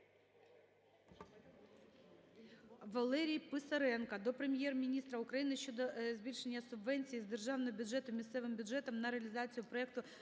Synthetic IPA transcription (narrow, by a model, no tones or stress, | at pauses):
ʋɐlˠɛɾʲijpɪsɐɾɛnkɐd̪ɔpɾemʲjɛrmʲinʲist̪ɾɐʊkɾɐjinɪʃt͡ʃːɔd̪ɔzʲbʲilʲʃenʲːɐsʊbʋɛnʲt͡sʲijizd̪erʒɑwnɔɦɔbʲʊdd͡ʒɛt̪ʊmʲist̪sɛʋɪmbʲʊdʒɛt̪ɔmnɐɾeɐlʲizɑt͡sʲijʊpɾɔɛkt̪ʊ